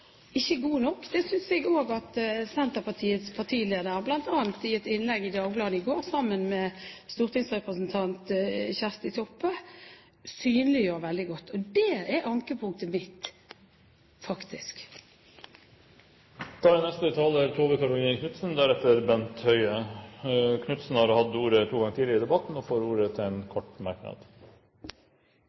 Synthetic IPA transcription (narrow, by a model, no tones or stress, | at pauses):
ɪçːəɡuːnɔkːd̪̥ɛsʏnsɛɡoːɡɑt̪sɛnt̪əʁpɑt̪ʰiːət̪spʰɑʁt̪ʰiːleːd̪əɾəblɑnt̪ɑːɑnt̪ɪɛt̪ɪnlɛɡɪd̪ɑːɡblɑːd̪ɪɡoːɾsɑmːənmɛst̪uːʁt̪ɪŋsʁɛpɾəsnt̪ʰɑnt̪çæʁst̪ɪt̪ʰɔpːə | syːnəlɪjøːɾʋɛld̪ɪɡɔt̪ːɔd̪ɛːɛɾɑŋkəpʰʊŋ̚t̪əmɪt̪ | fɑkt̪ɪsk | t̪ʰɑːɾɛnɛst̪ət̪ʰɑːlət̪ʰoːʋəkɑɾʊʋɪnkʰnʉt̪snd̪æɾɛt̪əɾbɛnt̪hœʏə | kʰnʉt̪sn̩hɑɾhɑd̪uːɾət̪ʰuːɡɑŋət̪ʰiːd̪ɪəɾɪd̪ɛbɑt̪n̩ɔfoːɾuːɾət̪ʰɪlɛnkʰɔʈmɑɾknɑ̰d̪̥